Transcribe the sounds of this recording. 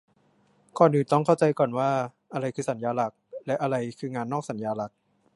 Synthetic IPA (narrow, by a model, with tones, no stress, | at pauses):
kʰɔː˨˩nʔɯː˨˩t̪ɔ˥˩ŋkʰa˥˩wt͡ɕa˧jkɔː˨˩nwaː˥˩ | ʔa˧ɾa˧jkʰɯː˧sa˩˦njaː˧la˨˩k̚lɛ˦˥ʔa˧ɾa˧jkʰɯː˧ŋaː˧nːɔː˥˩k̚sa˩˦njaː˧la˨˩k̚